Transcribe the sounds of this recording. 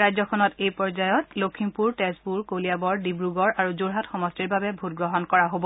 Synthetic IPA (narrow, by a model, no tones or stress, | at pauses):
ɹajzɔkʰɔnɔtejpɔɹzajɔtlokʰimpuɹtɛspuɹkolijabɔɹdibɹuɡɔɹaɹuzoɹɦatxɔmɔstiɹbabɛbʱutɡɹɔɦɔnkɔɹaɦobɔ